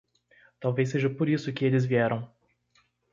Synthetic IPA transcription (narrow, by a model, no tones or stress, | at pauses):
t̪awvejs̬ːeʒɐpoɾisʊkɪelɪzviɛɾɐ̃w̃